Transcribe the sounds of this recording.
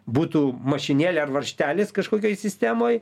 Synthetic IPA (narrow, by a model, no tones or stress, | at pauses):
buːt̪uːmɐʃʲɪnʲeːlʲɛɐrʋɐɾʲʃʲt̪ʲæːlʲɪskɐʃkoːkʲoːjsʲɪsʲt̪ʲæːmoːj